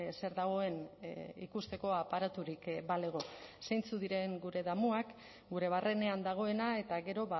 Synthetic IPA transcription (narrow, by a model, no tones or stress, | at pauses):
se̞ɾðaɣ̞o̞e̞nḭkust̪e̞ko̞apaɾat̪uɾikbaleɣo̞sejnt͡suðiɾe̞ŋɡuɾe̞ðamuak | ɡuɾe̞β̞arʔe̞ne̞and̪aɣ̞o̞e̞nae̞t̪aɣe̞ɾo̞βa